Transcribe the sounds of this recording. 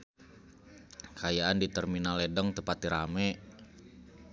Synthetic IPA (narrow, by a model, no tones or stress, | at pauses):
kajaandit̪ərminalɛdəŋt̪əpat̪̚diɾa̰mɛ